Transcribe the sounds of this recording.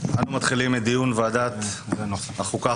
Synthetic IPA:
anumat̪χilimed̪ijunvead̪at̪ | aχuka

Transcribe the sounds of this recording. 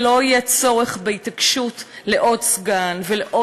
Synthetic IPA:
lo̞ajɛt͡so̞ʁeχbeitakʃutleʔo̞dsɡanveleʔo

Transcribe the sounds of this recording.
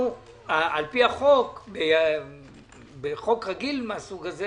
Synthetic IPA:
u | aʔalpiaχo̞kbe | beχo̞kʁaɡilmeasuɡaze

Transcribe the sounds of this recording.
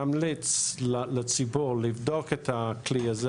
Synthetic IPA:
amlit͡sllet͡sibuʁlivdoket̪ʰakliaz

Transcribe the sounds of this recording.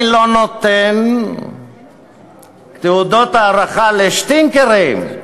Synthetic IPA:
lonot̪en | t̪eud̪ot̪aːɾaχaleʃt̪iŋkeɾim

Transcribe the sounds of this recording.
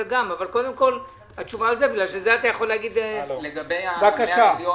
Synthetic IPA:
eɡamavalko̞d̪e̞mko̞l | hat͡ʃuvaːlzebiɡlalʃezeat̪ajaχo̞lːeaɡid̪leebakaʃa

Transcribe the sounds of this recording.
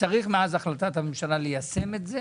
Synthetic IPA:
t͡saʁiχmeazaχlat̪at̪hamemʃalalejase̞me̞t̪ze

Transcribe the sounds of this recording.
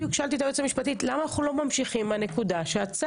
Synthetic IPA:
jukʃalt̪it̪aʁet͡samiʃpatitlamaːnaχulo̞mamʃiχimane̞kudaʃeat͡sa

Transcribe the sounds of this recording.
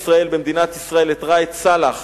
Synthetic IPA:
sʁae̞lbemd̪inat̪isʁae̞let̪ʁajet͡salaχ

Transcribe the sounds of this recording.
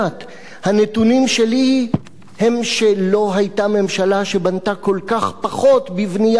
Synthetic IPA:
t̪ | hanet̪unimʃe̞li | he̞mʃelo̞ɦajt̪ame̞mʃalaʃe̞bant̪ako̞lkaχpaχo̞t̪bivnija

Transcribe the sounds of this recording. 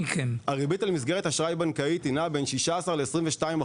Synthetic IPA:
keaʁibitalmizɡeʁ̞et̪aʃʁajbankait̪inabenʃiʃaːsaʁleesʁimveʃtaima

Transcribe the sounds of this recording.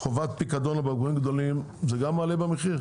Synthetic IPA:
χovat̪pikad̪onabaɡuimɡd̪olim | zeɡamːaːlebameχiʁ

